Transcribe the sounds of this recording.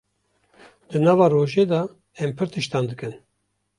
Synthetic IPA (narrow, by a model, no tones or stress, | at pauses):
d̪ɨnɑːvɑːroːʒeːd̪ɑ | ɛmpʰɨɾt̪ʰɨʃt̪ɑːnd̪ɨkɨn